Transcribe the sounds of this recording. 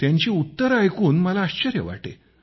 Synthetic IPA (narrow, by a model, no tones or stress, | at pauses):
t̪jaɲt͡ɕiːut̪ːəɾajkuːnməlaːɕt͡ɕəɾjə̰ʋa̰ʈḛ